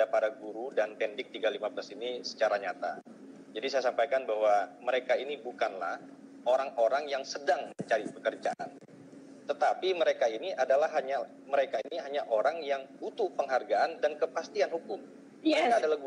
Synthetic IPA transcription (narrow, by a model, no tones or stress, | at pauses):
apadaɡuɾudanpɛndɪk̚t̪iɡalimablasinisə̥t͡ʃaɾaɲat̪a̰ | d͡ʒadisajasampajkanbahwaməɾekainibukanla̰h | oɾaŋoɾaŋjaŋsədaŋməɲt͡ʃaɾipəkərd͡ʒaʔa̰n | t̪ət̪apiməɾekainiʔadalahɦaɲa | məɾekainiɦaɲaʔoɾaŋjaŋut̪uhpəŋɦarɡaʔandankəpast̪ianhukʊm | kaadalahɡu